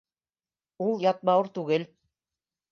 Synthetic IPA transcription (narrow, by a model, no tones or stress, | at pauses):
ulˠjɑt̪̚mɑwɤɾt̪ʉɡɘl